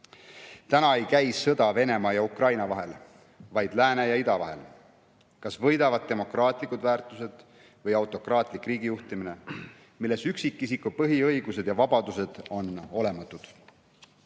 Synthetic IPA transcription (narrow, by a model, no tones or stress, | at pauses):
t̪ænɑe̞jkæjsːɤd̪ɑve̞ne̞mɑjɑukrɑjnɑvɑɦe̞l | vɑjd̪̥læːnejɑid̪ɑvɑ̰ɦe̞̰l | kɑsvɤ̞jd̪ɑvɑd̪̚t̪e̞mo̞krɑːt̪ˑlikːud̪væːrt̪ˑuse̞d̪̥ | vɤjɑwt̪ːˑo̞krɑːt̪ˑlikːˑriːɡ̥ijuht̪imine̞ | milːe̞syksikˑːisikupɤɦiɤ̞jɡ̥use̞d̪̥jɑvɑbɑd̪̥use̞d̪̥o̞no̞le̞mɑt̪ːˑud̪̥